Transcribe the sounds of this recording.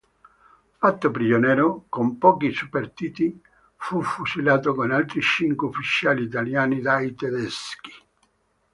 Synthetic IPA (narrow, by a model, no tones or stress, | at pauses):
fat̪ːopɾid͡ʒonɛːɾokompɔːkisupːert̪iːt̪i | fufusilaːt̪okonalt̪ɾit͡ʃiŋkweufit͡ʃaːliːt̪aljaːnid̪ait̪ed̪ɛsk̟i̥